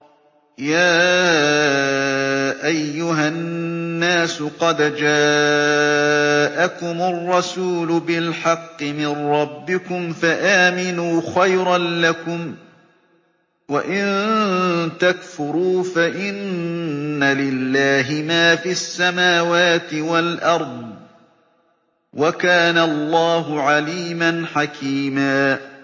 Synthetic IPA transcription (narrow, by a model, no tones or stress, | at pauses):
jaː | ʔajːʊɦaː | aːsʊqɑd̪d͡ʒaː | ʔakʊmʊrˤːɑsuːlʊbɪlħɑqːɨmɪnɾːˤɑbːɪkʊmfaʔaːmɪnuːxajɾɑnlakʊm | waʔɪn | t̪akfʊɾuːfaʔɪnː | alɪlːaːɦɪmaːfiasːamaːwaːt̪ɪwalʔɑɾˤd̪ˤ | wakaːnalˤːɑːɦʊʕaliːmanħakʰiːmaː